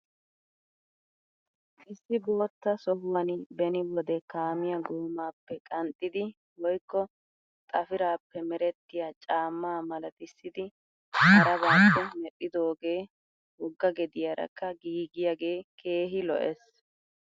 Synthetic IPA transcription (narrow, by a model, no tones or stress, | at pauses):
ʔɪsːɪbo̞ːt̪ːɐsɔhwɐnbɛnɪwɔd̪ɛkaːmɪjɐɡoːmaːpːɛkʼɐnt̪ʼːɪd̪ɪ | wɔjkːɔ | t̪ʼɐfɪɾaːpːɛmɛɾɛt̪ːɪjat͡ʃʼaːmːaːmɐlɐt̪ɪsːɪd̪ɪ | hɐɾɐbɐpːɛmɛɗʼːɪd̪o̞ːɡe̞ː | wɔɡːɐɡɛd̪ɪjɐɾɐ̰kːɐɡiːɡɪjaɡe̞ːkʰe̞ːɦɪlɔ̰ʔɛs